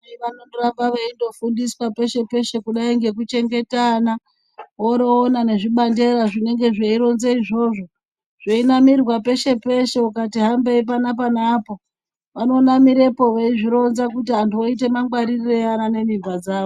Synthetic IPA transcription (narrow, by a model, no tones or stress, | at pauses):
iʋanorambaʋeindo̞fundiswape̞ʃe̞pe̞ʃe̞kuɗaiŋɡe̞k̬ut͡ʃe̞ŋɡe̞tana | woɾoːnane̞ʐiɓande̞ɾaʐine̞ŋɡe̞ʐeiɾo̞nzeiʐo̞ːʐo̞ | ʐ̥einamirwape̞ʃe̞pe̞ʃe̞ukatiɦambeip̬anap̬anaːpo̞ | ʋano̞ːnamiɾe̞po̞ʋeiʐiɾo̞nzakutiɦantuoite̞maŋɡwaɾirireanane̞nimbad͡zaːo